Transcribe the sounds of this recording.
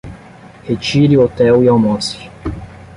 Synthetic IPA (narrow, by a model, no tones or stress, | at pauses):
het͡ʃiɾiot̪ɛwiawmɔs